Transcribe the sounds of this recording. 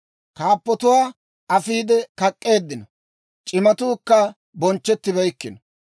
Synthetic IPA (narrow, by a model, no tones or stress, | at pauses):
kaːpːɔt̪ʊwaː | ɐfiːd̪ɛkɐkʼːe̞ːd̪ːɪnɐ | t͡ʃʼɪmɐt̪uːkːɐ | bɔnt͡ʃːɛt̪ːɪbɛjkːɪn